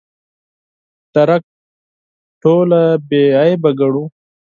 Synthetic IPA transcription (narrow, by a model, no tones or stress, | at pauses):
t̪ɐɾɐk̚ | ʈʰoːlabeajbɐɡɐɽu